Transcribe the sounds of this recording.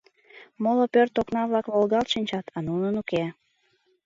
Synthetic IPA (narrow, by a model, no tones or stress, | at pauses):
molopørt̪oknɑβlɑkβolɣɑlt̪ʃinʲt͡ɕɑt̪ʰɑnunənuke